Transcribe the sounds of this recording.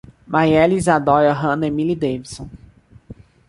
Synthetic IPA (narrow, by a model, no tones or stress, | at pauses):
majɛlizad̪ɔjɐɦɐ̃nemilid̪ejvisõ